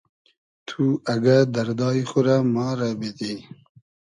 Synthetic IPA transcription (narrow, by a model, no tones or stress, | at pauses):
t̪ʰuaɡad̪aɾd̪ɑːixʊɾamɑːɾabed̪i